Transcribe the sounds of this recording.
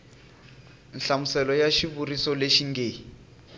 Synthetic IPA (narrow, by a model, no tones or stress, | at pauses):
n̩ɬamusɛlɔjaʃiβurisɔleʃiŋɡeː